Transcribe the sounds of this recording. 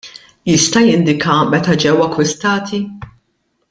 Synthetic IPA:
jɪst̪ɐjɪnd̪ɪkʰɐmɛt̪ɐd͡ʒɛwɐkːwɪst̪ɐːt̪ʰi

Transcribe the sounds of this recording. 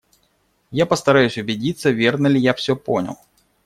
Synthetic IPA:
japɐst̪ɐɾajʊsʲʊbʲɪd͡zʲit̪sːɐvʲɛrnəlʲɪjafsʲɔponʲɐ̰lˠ

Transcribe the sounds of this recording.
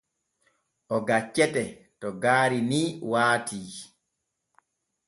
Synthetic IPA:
ʔɔɡat͡ʃːɛtɛtɔɡaːɾiniːwaːtʰiː

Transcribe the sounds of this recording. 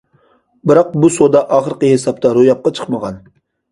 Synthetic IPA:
bɨɾɑq̚busod̪ɑʔɑːχəɾqəhesɑp̚t̪ʰɑɾojɑp̚qɑt͡ʃʰə̥qməʁɑn

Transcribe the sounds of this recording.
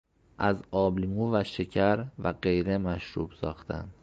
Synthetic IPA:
ʔæzɒːbliŋuvæʃecʰæɾvæɢe̞jɾe̞mæʃɾṵːb̥sɒːxt̪ʰæ̰nd̪̥

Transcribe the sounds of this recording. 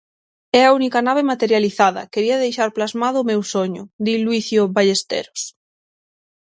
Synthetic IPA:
ɛɐunikanaβ̞emat̪eɾjaliθaðɐ̰keɾiɐðejʃaɾplazmaðʊːmewsoɲʊ̰d̪ilwiθjoβaʎest̪ḛɾo̥s

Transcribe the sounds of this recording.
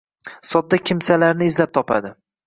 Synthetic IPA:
sɒd̪̚d̪ːakʲʰɪmsalaɾnɪːzlap̚t̪ʰɒpʰa̰d̪ɪ

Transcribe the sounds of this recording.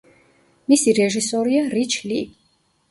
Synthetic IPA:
misiɾɛʒisɔɾiaɾit͡ʃʰli

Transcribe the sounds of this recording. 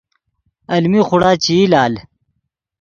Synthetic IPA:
ɐlmixuɽaːt͡ɕiːlaːl

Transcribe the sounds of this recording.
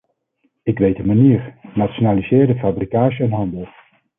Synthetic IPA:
ɪkʋejdəmaniːɹnatʃonaːlizɪːɹdəfaːbrikaːʃəɛnɦɑndəlˠ

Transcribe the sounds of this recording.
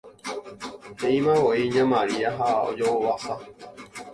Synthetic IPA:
hẽĩmãwoiɲãmãɾiaɦao̰d͡ʒoowasa

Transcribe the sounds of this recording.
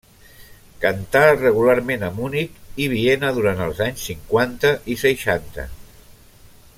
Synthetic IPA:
kənt̪arəɣ̞ulaɾmenəmunikiβ̞ienəðuɾant̪əlˠzaɲsːiŋkwant̪əʔisəjʃant̪ə̰

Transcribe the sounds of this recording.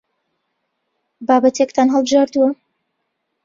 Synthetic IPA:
baːbɐt̪ʰekt̪ʰaːnɦəlˠbɨʒaːɾd̪uwɐ

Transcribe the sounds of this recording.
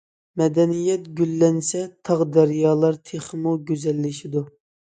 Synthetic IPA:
mɛd̪ɛnijɛt̪ɡʲylːɛnsɛt̪ʰɑʁd̪ɛɾijɑːlˠɑɾt̪ʰeχmuɡʲøzɛlːɪʃid̪u

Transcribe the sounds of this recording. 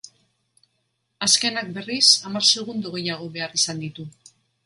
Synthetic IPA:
aske̞nak̚be̞risamaɾseɣ̞und̪uɣe̞jaɣ̞o̞βe̞arisand̪it̪u

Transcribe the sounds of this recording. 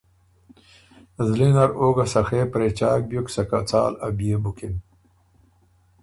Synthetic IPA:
zlinɐɾoːɡasɐxeːpɾet͡ɕaːk̚bjuksɐkat͡sa̰ːlɐbijebukin

